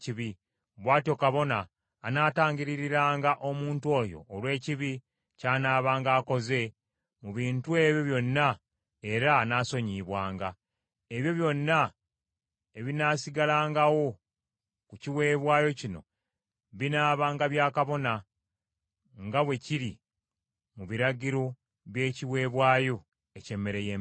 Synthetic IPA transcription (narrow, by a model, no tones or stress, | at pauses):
ciβi | βwaːtio̞kaβo̞naː | naːtaːɲɟiɾiɾiɾaːŋɡaʔo̞muːntwo̞ːjo̞̰ːlwe̞ːciβi | caːnaːβaːŋɡaːko̞ze̞ | muβiːntue̞ːβjo̞βjo̞nːa | e̞ɾanaːso̞ɲiːβwaːŋɡa | e̞βjo̞βjo̞nːa | e̞βinaːsiɡalaːŋɡawo̞ | kuciwe̞ːβwaːjo̞cino̞̰ | βinaːβaːŋɡaβjaːkaβo̞na | ŋɡawe̞ciɾi | muβiɾaɟiɾo̞ | βje̞ːciwe̞ːβwaːjo̞ | ece̞ːmːe̞ɾe̞jeː